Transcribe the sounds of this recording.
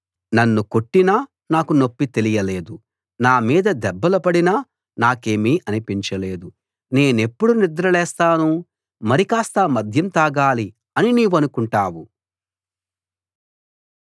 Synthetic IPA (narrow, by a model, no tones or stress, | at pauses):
nɐnːuko̞ʈːinaː | naːkuno̞pːit̪e̞lijɐle̞ːd̪u | naːmiːd̪ɐd̪ɛbːɐlɐpɐɽinɐ | naːke̞ːmiʔɐnipiɲt͡ʃɐle̞ːd̪u | ne̞ːne̞pːuɽunid̪ɾɐlɛːst̪aːnu | mɐɾikaːst̪ɐmɐd̪ʱjɐmt̪aːɡaːli | ɐniniːʋɐnukuɳʈaːwu